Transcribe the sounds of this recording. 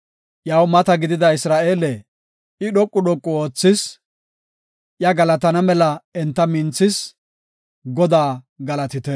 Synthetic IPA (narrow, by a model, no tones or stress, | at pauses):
jɐwmɐt̪ɐɡɪd̪ɪd̪ɐɪsɾaːʔeːlɛ | ɪɗɔkʼːʊɗɔkʼːɔoːt͡sːɪs | ʔjɐɡɐlɐt̪ɐnɐmɛlɐɛnt̪ːɐmɪnt͡sːɪs | ɡɔd̪aː | ɡɐlɐt̪ɪt̪ɛ